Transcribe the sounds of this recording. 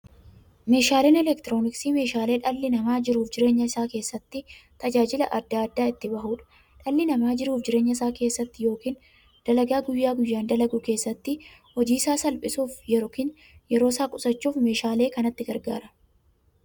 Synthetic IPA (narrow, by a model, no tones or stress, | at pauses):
me̞ːʃaːle̞ːnɛlɛkt̪ɪɾo̞ːnɪksiːme̞ːʃaːle̞ːᶑɐlːɪnɐmaːd͡ʒɪɾuːfd͡ʒɪɾe̞ːɲːɐɪsaːke̞ːsːɐt̪ːɪt̪ɐd͡ʒaːd͡ʒɪlɐʔɐd̪ːaːɐd̪ːaːɪt̪ːɪbɐɦuːᶑɐ̥ | ᶑɐlːɪnɐmaːd͡ʒɪɾuːfd͡ʒɪɾe̞ːɲːɐɪs̬aːke̞ːsːɐt̪ːɪjo̞ːkiːn | d̪̥ɐlɐɡaːɡʊjːaːɡʊjːaːnd̪ɐlɐɡʊke̞ːsːɐt̪ːɪ | hɔd͡ʒiːsaːsɐlpʼɪsuːfjɛɾoːkiːn | jɛɾo̞ːsaːkʼʊsɐt͡ʃːuːfme̞ːʃaːle̞ːkɐnɐt̪ːɪɡɐɾɡa̰ːɾɐ̥